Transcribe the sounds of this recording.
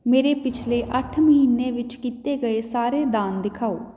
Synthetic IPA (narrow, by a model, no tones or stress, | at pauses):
meːɾeːpɪt͡ʃʰleːʔəʈʰməɦiːnːeːʋɪt͡ʃkiːt̪eːɡəeːsaːɾeːd̪aːnd̪ɪkʰaːoː